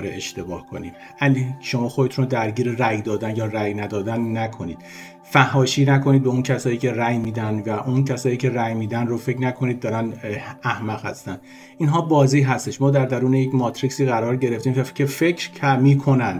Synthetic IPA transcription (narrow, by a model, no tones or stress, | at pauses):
ɾeeʃt̪e̞bɒːhkʰo̞̰niːm | æliʃo̞mɒːxod̪e̞t̪ʰunod̪æɾɟiːɾeræjd̪ɒːd̪ænjɒːræjnæd̪ɒːd̪ænːækʰo̞niːd̪̥ | fæhːɒːʃiːnækʰo̞nid̪be̞uncʰæsɒːjiːcʲʰe̞ræjmiːd̪ænvæʔuncʰæsɒːjiːcʰe̞ræjmiːd̪ænrofecɾnækʰo̞niːd̪ːɒːɾænæhmæʁ̥hæ̰st̪ænd̥̪ | ʔiːnɦɒːbɒːziːɦæst̪e̞ʃmɒːd̪æɾd̪æɾuːnejecmɒːt̪ʰɾiːsiːɣæɾɒːɾɟe̞ɾe̞ft̪iːmvæcʲʰe̞fe̞cʰɾcʰæmiːkʰo̞nænd̥̪